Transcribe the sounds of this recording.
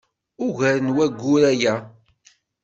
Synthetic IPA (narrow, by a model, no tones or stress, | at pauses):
ʊʝæɾənwæɡːʊɾæjæ